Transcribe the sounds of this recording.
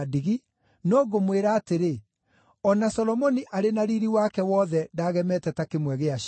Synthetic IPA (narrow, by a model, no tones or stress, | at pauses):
diɣi | noːɣomweɾaːteɾe | ɔnasɔlɔmɔniʔaɾenaɾiɾiwakɛwɔðɛdaːɣɛmɛtɛtakemwɛɣeaʃ